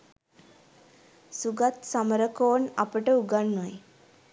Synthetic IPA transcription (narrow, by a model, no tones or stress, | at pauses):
suɡat̪samɾəkoːnapəʈeuɡaɳːaj